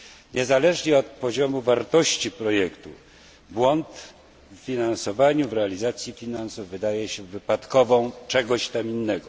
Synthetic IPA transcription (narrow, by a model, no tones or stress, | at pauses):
ɲɛzalɛʐɲɛɔt̪̚pɔʑɔmuvaɾt̪ɔɕt͡ɕipɾɔjɛkt̪u | bwɔnt̪ | ffʲinansɔvaɲuvɾɛalʲizat̪sʲjifʲinansuvːɘd̪ajɛɕɛvɘpat̪kɔvɔ̃w̃t͡ʂɛɡɔɕt̪aminːɛɡɔ